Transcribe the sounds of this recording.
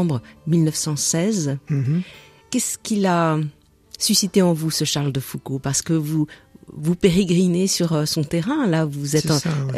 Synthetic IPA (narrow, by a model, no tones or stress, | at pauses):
bʁəmilnœfsɑ̃sɛz | kʲɛskʲila | sysit̪eɑ̃vusəʃaʁld̪əfukopaʁsə̥kəvuvupeʁeɡʁinesyʁəsɔ̃t̪eʁɛ̃lavuzɛt̪